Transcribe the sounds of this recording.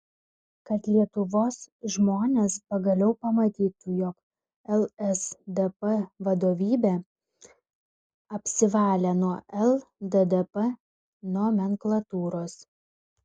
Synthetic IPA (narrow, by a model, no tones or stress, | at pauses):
kɐt̪lʲiɛt̪ʊʋoːsʒmoːnʲeːspɐɡɐlʲɛʊpɐmɐt̪ʲiːt̪ujɔk | ɛlˠɛsd̪ɛpɛʋɐd̪oːʋʲiːbʲe | ɐpʲsʲɪʋɑːlʲenuɔʔɛlˠd̪ɛd̪ɛpɐ | noːmʲɛŋklˠɐt̪uːɾoːs